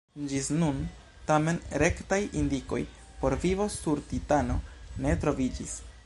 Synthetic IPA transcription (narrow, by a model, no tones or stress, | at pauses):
d͡ʒisnun | tame̞nɾe̞ktajʔindiko̞j | po̞ɾvivo̞suɾtitano̞ne̞tɾo̞vid͡ʒis